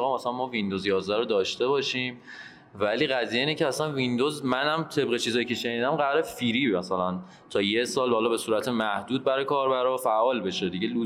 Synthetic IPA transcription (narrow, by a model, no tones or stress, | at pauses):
ɣɑmæsæænmɒːvind̪ozjɒːzd̪æɾod̪ɒːʃt̪e̞bɒːʃiːm | væliːɣæzijeiːnecʰeæsænvind̪ozmænhæmt̪ʰe̞bɣe̞t͡ʃʰiːzɒːjicʰeʃe̞niːd̪æmɢæɾefiɾiːmæsælæn | t̪ʰɒːjesɒːlbːlɒːbe̞suːɾæt̪ʰemæhd̪uːd̪̚bæɾɒjkʰɒːɾbæɾɒfæʔɒːlbe̞ʃe̞d̪iɟe̞lu